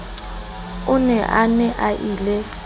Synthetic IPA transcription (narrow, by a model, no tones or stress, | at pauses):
ʊnɛʔanɛʔaʔiːlɛ